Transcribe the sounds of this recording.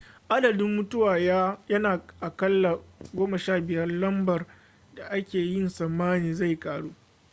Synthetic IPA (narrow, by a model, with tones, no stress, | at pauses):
ʔa˦dɐ˨dɪ˦mːʊ˦tʊ˦waː˨ja˦jɐ˦naː˨ʔa˨kɐ˦lːa˨ɡʷoː˦mɐ˨ʃaː˦˨bɪ˨jɐ˦rlɐ˦mbɐ˨r | da˨ʔa˦kʲeː˨jɪ˦nsɐ˨mːaː˦niː˨za˦˨jkʼaː˨ɽuː˦